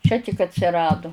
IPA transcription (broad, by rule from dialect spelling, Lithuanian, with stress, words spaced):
ˈt͡ʃʲɛ tʲɪk ɐtʲsʲɪˈrɑːdʊ